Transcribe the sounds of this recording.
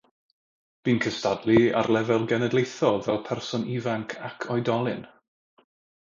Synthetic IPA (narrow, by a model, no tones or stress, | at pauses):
b̥iːnkʰəstadlˠia̰rlˠɛvɛlˠɡɛnɛdlˠejθɔvɛlˠpʰɛrsɔnʔivaŋkʰakʰɔjdɔlˠɨn